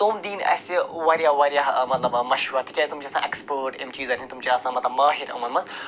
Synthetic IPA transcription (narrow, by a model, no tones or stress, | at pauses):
t̪umd̪iːnɐ̰siʋaːɾjaʋaːɾijaɦmɐt̪lɐbmɐʃɾɐt̪ʰikʲet̪umt͡ʃiːsã̰ːʔekspəːʈḛmt͡ʃiːzɐt̪ʰinʲt̪umt͡ʃiaːsãːmɐt̪lɐbmaːɦiɾɐ̰mɐlmɐnz